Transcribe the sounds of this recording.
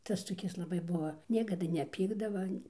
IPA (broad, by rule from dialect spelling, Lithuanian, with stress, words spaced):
ˈtɐs toːˈkʲɪs lˠɐˈbɐɪ ˈbʊʋɐ ˈnʲiɛkɐdɐ nʲɛˈpʲiːɡdɐʋɐ ɐnʲ